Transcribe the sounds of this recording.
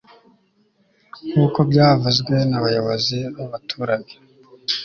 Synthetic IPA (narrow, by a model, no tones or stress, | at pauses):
kuːko̞bɟaːvuzɡwe̞naβajo̞βo̞ziβaβatʰuːɾaɲe